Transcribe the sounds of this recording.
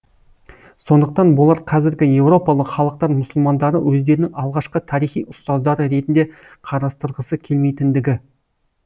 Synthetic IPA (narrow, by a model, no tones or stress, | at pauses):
so̞nd̪əq̚t̪ɑnbʊlˠɑɾqʰɑzɪɾɡʲɪje̞wɾo̞pɑlˠəqχɑlˠəq̚t̪ɑɾmʊsʊlˠmɑnd̪ɑɾəwɵzd̪e̞ɾɪnɪŋɑlˠʁɑʃqət̪ʰɑɾijχijʊst̪ɑzd̪ɑɾəɾe̞t̪ɪnd̪e | qʰɑɾɑst̪əɾʁəsəkʲʰe̞lme̞jt̪ɪnd̪ɪɡʲɪ